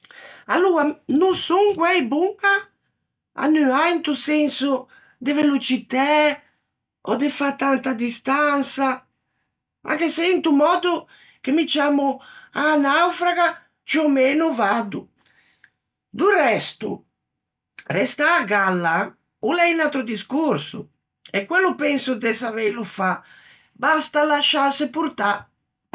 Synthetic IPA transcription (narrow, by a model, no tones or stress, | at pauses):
alːuːanusuŋɡwɛjbuŋa | a̰nːyaint̪usɛnsu | d̪evelut͡ʃit̪a | ɔ̰d̪efat̪ant̪ad̪ist̪ansa | mʔa̰kesint̪umɔːd̪u | kemit͡ʃaːmuanawfɾaɣa | t͡ʃɔmɛːnuvad̪u | d̪urɛst̪ṵ | rɛst̪aːɡalːa | ulɛinat̪ɾud̪iskuɾsṵ | ɛkwɛlːupɛnsud̪ɛsavɛjlufa | bast̪alaʃːasɪpuɾt̪a